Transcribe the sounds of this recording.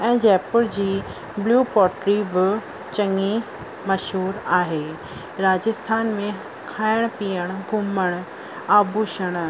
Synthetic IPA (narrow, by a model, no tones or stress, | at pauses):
ɛ̃ːd͡ʑɛːpəɽd͡ʑiː | bluːpɔːʈɾibɪ | t͡ɕɐ̃ŋi | mɐʃɦuːɾaːɦeː | ɾaːd͡ʑəst̪ʰaːnmẽ | kʰaːɪɽ̃piːəɽ̃ɡʱʊməɽ̃ | aːbʱuʃəɽ̃